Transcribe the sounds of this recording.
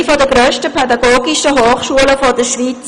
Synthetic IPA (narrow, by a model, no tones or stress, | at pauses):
fɔdəɡɾøːʃtəpʰɛdɑɡoːɡiʃəɦoːχʃuələfɔd̥əʃʋiːt͡s